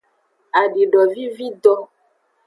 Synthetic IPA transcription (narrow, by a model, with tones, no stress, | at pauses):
a˨ɖi˨ɖɔ˨vi˦vi˦d̪ɔ˦